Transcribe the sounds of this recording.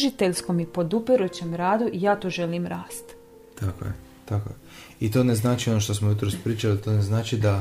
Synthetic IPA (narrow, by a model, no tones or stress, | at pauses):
ʒit̪e̞ʎsko̞mipo̞d̪upiɾut͡ɕe̞mɾaːd̪uʔijaːt̪oːʒe̞limɾaːst̪ | t̪ako̰je | t̪ako̰je | it̪o̞neznaːt͡ʃio̞noʃt̪osmojut̪ɾospɾiːt͡ʃalit̪oːneznaːt͡ʃid̪a